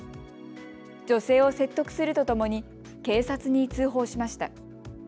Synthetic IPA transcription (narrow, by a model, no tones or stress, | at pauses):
d͡ʑo̞se̞ːo̞se̞t̪ːo̞kɯ̟̥sɨɾɯ̟t̪o̞t̪o̞mo̞ɲ̟i | ke̞ːsat͡sɨɲ̟it͡sɨːɦo̞ːɕimaɕi̥t̪a